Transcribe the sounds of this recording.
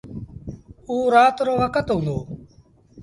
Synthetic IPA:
uːɾaːt̪ɾoːɦəkət̪ɦõːnd̪oː

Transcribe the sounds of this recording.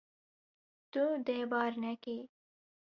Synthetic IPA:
t̪ud̪ebɑːɾnake

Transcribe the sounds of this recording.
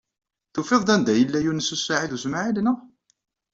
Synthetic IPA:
θufeðˤd̪ˤænd̪æjəlːæjunəsːusːaʕiðusmaʕilnəʁ

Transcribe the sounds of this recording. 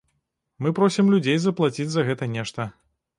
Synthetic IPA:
mɨpɾɔsʲimlʲud͡zʲejzɐplˠat͡sʲid͡zʲzɐɣɛt̪ɐnʲɛʂt̪ɐ

